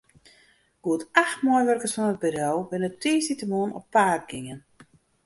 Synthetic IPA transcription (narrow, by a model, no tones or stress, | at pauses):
ɡ̥uətaxtmɔjʋørkəsfɔnət̚bəɾɔwbɪnətʰiːsitəmoənɔ̰pːaːr̚ɡɪŋən